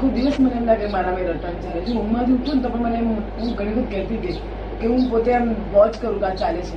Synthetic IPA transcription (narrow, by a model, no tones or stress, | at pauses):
kʰod̪iʋəsməneɛmd̪akəɾemaɾamẽɾət̪ant͡ʃalet͡ʃʰumãt̪ʰiũt̪unt̪ɔpəɳmənemɦũɡʱəɽ̃ikʰud̪̚kɛt̪id̪e | keɦũpot̪eamʋɔt͡ʃkəɾũkat͡ʃalet͡ʃʰe